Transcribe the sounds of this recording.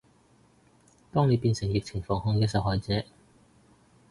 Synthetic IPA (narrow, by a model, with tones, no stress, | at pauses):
t̪ɔː˥ŋne˨˧jpiː˧nsɪ˨˩ŋjɪ˨k̚t͡sʰɪ˨˩ŋfɔː˨˩ŋhɔː˧ŋkɛː˧sɐ˨wɦɔː˨jt͡sɛː˨˥